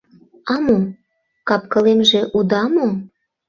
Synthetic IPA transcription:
ɑmom | kɑp̚kɤ̆lemʒĕʔud̪ɑmom

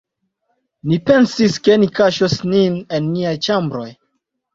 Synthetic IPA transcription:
nipe̞nsiskenikaʃosninenːiajt͡ʃambɾo̞j

